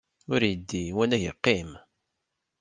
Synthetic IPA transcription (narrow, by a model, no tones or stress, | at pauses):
ʊɾjəd̪ːiwænæʝə̰qːim